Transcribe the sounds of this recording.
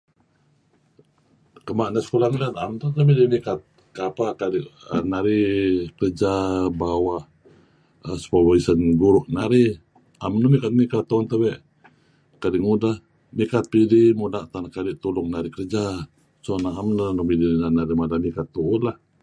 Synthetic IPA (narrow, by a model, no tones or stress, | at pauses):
kəmaʔnaskulaŋlanaamt̪ət̪abidimikat̪̚ | kapakadiʔənaɾikəɾəd͡ʒabawaʔ | əsə̥pabaisənɡuɾʊʔnaɾi | amnəmikat̪̚mikat̪ːɔnt̪əbɛʔ | kadiʔŋudah | mikat̪̚pidimudaʔt̪anahkadiʔt̪ulʊŋnaɾikəɾəd͡ʒa | sonaamnənumidinanaɾimadamikat̪ːuʊnlah